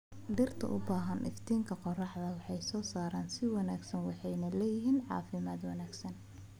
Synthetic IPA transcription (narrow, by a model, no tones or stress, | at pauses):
ɖɪrt̪ʰɐ̰ʔʊbaːɦɐnʔɪ̰ft̪ʰiːŋkʰɐqɔrɑħðɐwɑħɑjsɔːsaːɾaːnsɪwɑnaːɡsɐnwɑħɑjnɐlɛːjɪɦiːnʕɑ̰ːfɪmaːd̪wɑnaːɡsɐn